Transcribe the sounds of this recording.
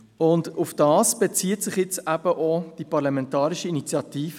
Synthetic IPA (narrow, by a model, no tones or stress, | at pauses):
ʊndʊfd̥ɑːsb̥et͡siːətsɪχjɪt͡sæb̥əʔod̥ipɑʁlɑmɛntɑːɾiʃiinit͡sjɑtiːf